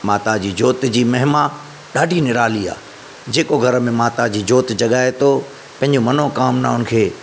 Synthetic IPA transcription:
maːt̪ad͡ʑiːd͡ʑoːt̪d͡ʑiːmɐɦɪma | ɗaːɖʱinɪɾaːlia̰ː | d͡ʑeːkoɡʱɐɾəmẽmaːt̪ad͡ʑiːd͡ʑoːt̪d͡ʑɐɠaːet̪o | pɐ̃ɦɪ̃ɲd͡ʑomɐnokaːmnaɦʊnɪ̆kʰeː

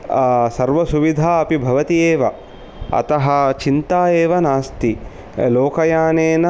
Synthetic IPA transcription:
sɐɾʋɐsuʋid̪ʱaːɐpibʱɐʋɐt̪ieːʋɐ | ɐ̰t̪ɐɦɐ̆t͡ʃint̪aːeːʋɐnaːst̪i | loːkɐjaːneːnɐ

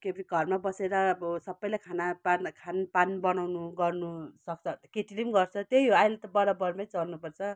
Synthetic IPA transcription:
kebɾiɡʱʌrmabʌseɾʌsʌbːʌjlajkʰanapankʰanpanbʌnawnuɡʌrnusʌk̚t͡sʰʌkeʈilimɡʌrt͡sʰʌt̪ejɦoajlet̪ʌbʌɾabʌrmʌjt͡sʌlnupʌrt͡sʰʌ

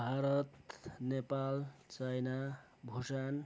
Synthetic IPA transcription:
bʱaɾʌt̪nepalt͡sajna | bʱosan

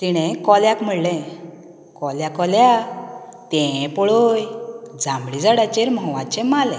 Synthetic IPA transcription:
t̪iɽ̃ɛ̃kɔljakm̤əɽlɛ̃ | kɔljakɔlja | t̪ɛ̃pɔɭojd͡zãmbɽid͡zaɽat͡ɕeɾmɔʋãt͡ɕemalɛ̃

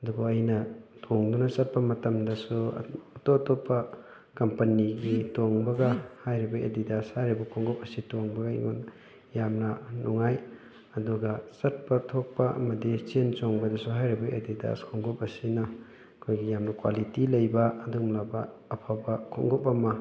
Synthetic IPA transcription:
ɐduboɐjnɐtʰoŋdunɐsɐt̚pɐmɐtɐmdɐsuɐtotopːɐ | kɐmpɐniɡitoŋbɐɡɐhajɾibɐʔḛdidashajɾibɐkʰoŋɡop̚ɐsitoŋbɐɡɐḭŋon | jamnɐnuŋaj | ɐduɡɐsɐt̚pɐtʰok̚pɐʔɐ̰mɐdisensoŋbɐdɐsuɦajɾibɐʔḛdida̰skʰoŋɡop̚ɐsinɐ | kʰojɡijamnɐkwalitilɐjbɐːdumlabɐːpʰabɐkʰo̰ŋɡopɐmɐ

